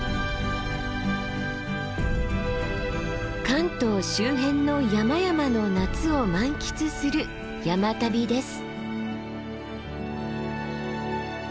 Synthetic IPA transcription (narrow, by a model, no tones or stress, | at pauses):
kãnt̪o̞ːɕɨːɦẽ̞nːo̞jamajamano̞nat͡sɨo̞mãŋkʲi̥t͡sɨsɨɾɯ̟ | jamat̪abʲid̪e̞sɨ̥